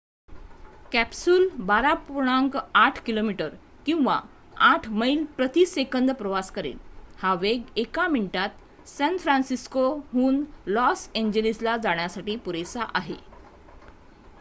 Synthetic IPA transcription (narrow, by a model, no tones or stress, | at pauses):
kæpsulbaɾapuɾɳ̃aŋkaʈʰkilomiʈəɾ | kĩw̃ʋa̰ | aʈʰməilpɾət̪iːsekənd̪pɾəʋaskəɾḭːlhaʋeɡekaminiʈat̪ | sɛ̃nfɾãnsiskoɦuːnlɔseɲd͡ʑelislad͡zaɳ̃jasaʈiːpuɾesaʔaɦḛ